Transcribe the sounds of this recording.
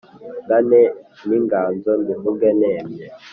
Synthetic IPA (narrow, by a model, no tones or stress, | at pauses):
ɡanɛniŋɡaːnd͡zɔndiɦuŋɡɛnɛːmɛ